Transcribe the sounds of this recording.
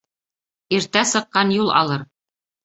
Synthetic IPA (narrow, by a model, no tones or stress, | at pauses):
iɾt̪æsɤ̆qːɑnjulˠʔɑ̰lˠɤɾ